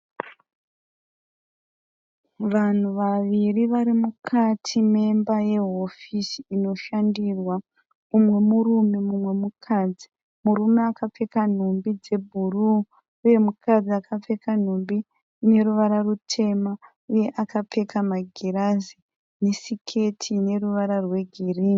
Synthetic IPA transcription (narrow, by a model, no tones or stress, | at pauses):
ʋan̤uʋaʋiriʋaɾimukʰatʰime̞mbaje̞ɦo̞fisiino̞ʃandirwa | umwe̞murume̞mumwe̞mukʰad͡zi | muɾume̞akap͡fe̞kan̤umbid͡ze̞bʱuru | uje̞mukʰad͡ziakʰap͡fe̞kan̤umbi | ne̞ɾuʋaɾarutʰe̞ma | uje̞ʔakap͡fe̞kamaɡʱiɾazi | ne̞sikʰe̞tʰine̞ruʋaɾarwe̞ɡʱiriːni